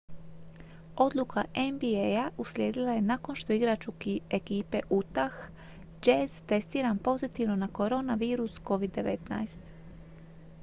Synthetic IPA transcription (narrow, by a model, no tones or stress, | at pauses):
o̞d̪lˠukʰaʔembiejaʔuslʲje̞ːd̪ilˠaje̞nako̞nʃt̪o̞iɡɾat͡ʃukiekiːpe̞ʔut̪ax | d͡ʒezt̪e̞st̪iːɾampo̞zit̪iʋno̞nako̞ɾo̞naʋiːɾusko̞ʋid̪ːe̞ʋe̞̰t̪na̰jst̪